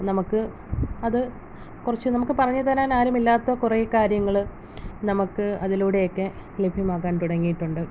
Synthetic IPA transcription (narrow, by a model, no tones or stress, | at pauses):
nɐmukːɨ | ɐðɨ | kurɐt͡ɕːɨnɐmukːɨpɐrɐɲːɐt̪ɐnaːnaːɾjumilːaːt̪ːoːkurekaːɾjɐŋːɐɭ | nɐmukːɨɐðiluːɽe̞jokːe̞lebʱimaːɣaːnt̪uɽɐŋːijiʈːuɳɖɨ